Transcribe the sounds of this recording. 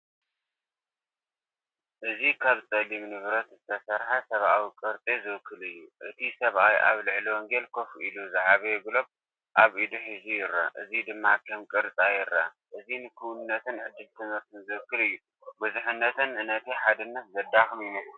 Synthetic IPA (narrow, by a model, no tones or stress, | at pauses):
ʔɨzikʰaβt͡sʼɐlimnɨβɾɐt̪zɨt̪ʰɐsɐɾħasɐβʔawikʼɨɾt͡s̪ʼizɨwɨkʰːɨlɨjːuʔɨt̪ʰisɐβʔajʔa̰βlɨʕliwɔŋɡelkʰo̞fuʔiluzaʕaβɐjɡɨlo̞b | ʔaβʔid̪uħizujɪɾːɐ̰ʔɨzid̪ɨmːakʰɐmkʼɨɾt͡sʼajɪrːɐ̰ | ʔɨzinɨkʰɨwunɨnːɐt̪ʰɨnʕɨd̪ːɨlt̪ʰɨmɨɾt̪ʰɨnzɨwɨkːɨlɨjːu | bɨzɨħɨnːɐt̪ʰɨnɨnɐt̪ʰiħad̪ɨnːɐt̪̚zɐd̪ːaxɨmjɪmɐslu